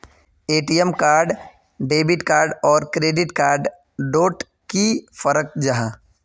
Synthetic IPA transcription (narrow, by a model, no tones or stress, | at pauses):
eːʈijemkaːɾɖ | ɖeːbɪʈkaːɾɖɔːɾkɾeːɖɪʈkaːɾɖ | ɖoːʈ | kifəɾək̚d͡ʒaɦãː